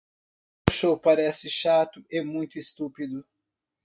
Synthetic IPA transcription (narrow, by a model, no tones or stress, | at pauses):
ʊʃowpaɾɛsɪʃat̪ʊʔɪmũj̃t̪ʊist̪upid̪ʊ